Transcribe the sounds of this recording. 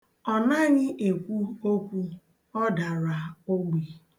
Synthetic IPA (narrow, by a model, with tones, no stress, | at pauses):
ɔ˨na˦ɲɪ˦ʔe˨kʷu˦o˦kʷu˦ | ɔ˦da˨ɾa˨o˦ɡ͡be˨